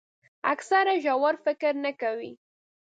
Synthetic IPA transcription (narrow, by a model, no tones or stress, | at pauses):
a̰ksaɾaʒawaɾfɪkɾnakawi